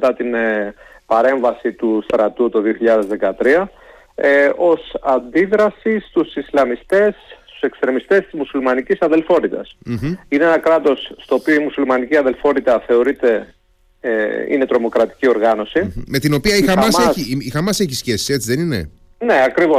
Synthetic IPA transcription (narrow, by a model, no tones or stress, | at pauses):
t̪ɐt̪in | pɐɾe̞ɱvɐsit̪ust̪ɾɐt̪ut̪oðioçiʎɐðezðe̞kɐt̪ɾiɐ | eo̞sɐnd̪iðɾɐsist̪usislɐmist̪e̞sst̪u̥se̞kst̪ɾe̞mist̪est̪izmusulmɐnicisɐðe̞lfo̞t̪it̪ɐ̰s̩ineenɐkɾɐt̪o̞sːt̪o̞ːpioimusulmɐniciɐðe̞lfo̞t̪it̪ɐθe̞o̞ɾit̪e̞ | ḭne̞t̪ɾo̞mo̞kɾɐt̪i̥cio̞ɾɣɐno̞sime̞t̪ino̞piɐixɐmɐseixɐmɐse̞çisçesi̥set͡siðeninḛ | ne̞ɐkɾivo